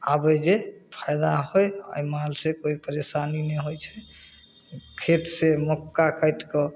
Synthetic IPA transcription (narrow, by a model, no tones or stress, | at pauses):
abəd͡ʒepʰajd̪aɦojə̰jmalsẽkoipəɾesanineɦojt͡ʃʰɛ̥ | kʰet̪semɔkːakəjʈkɔ